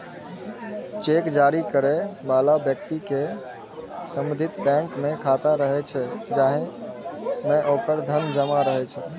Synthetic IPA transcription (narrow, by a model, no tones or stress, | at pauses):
t͡ʃekd͡ʒaɾikəɾɛbalabjəkt̪ike | səmd̪ʱit̪bɛ̃ŋkmekʰat̪aɾəɦɛt͡ʃʰɛd͡ʒaɦẽ | meʔokəɾd̪ʱənd͡ʒəmaɾəɦɛt͡ʃʰɛ